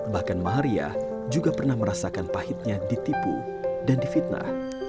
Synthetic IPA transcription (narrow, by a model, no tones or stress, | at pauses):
bahkanmaaɾia̰ | d͡ʒuɡapərnahməɾasakanpahɪt̪̚ɲadit̪ipṵ | dandifit̪̚na̰h